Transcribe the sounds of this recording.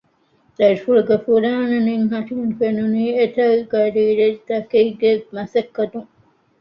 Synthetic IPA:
d̪ɐɾifuɭuɡefuɾaːnɐniŋɦɐt̪infenuniːet̪ɐɡɐɾiːɾed̪ɐkeiɡemɐsɐkːɐd̪uŋ

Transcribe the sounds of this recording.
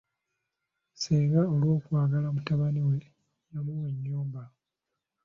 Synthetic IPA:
seːŋɡaolwo̞ːkwaːɡalamutaβaniwe̞ | jamuweɲːuːmba

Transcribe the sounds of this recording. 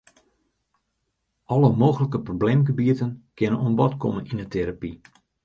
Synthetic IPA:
ʔɔləmoːɣələkəprobleːmɡəbiətənkɪnənonbɔtkɔməninətʰeɾapi

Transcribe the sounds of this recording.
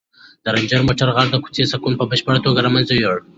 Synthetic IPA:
d̪̥əɾand͡ʒəɾmoʈaɾɣaɾd̪əku̥t͡sesakunpəbəʃpəɽat̪oɡaɾamanzajoɽ

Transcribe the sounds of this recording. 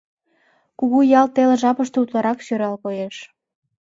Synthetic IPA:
kuɣujɑlt̪eleʒɑpəʃt̪out̪lɑɾɑkʃøɾɑlkojeʃ

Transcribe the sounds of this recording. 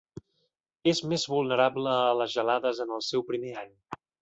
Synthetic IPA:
ezmezβulˠnəɾabləːləzʒəlaðəzənəlˠsɛwpɾimeaɲ

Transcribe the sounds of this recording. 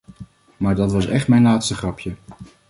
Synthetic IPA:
maːɹdɑtʋɑsɛχtmɛjnlaːtstəχrɑpjə

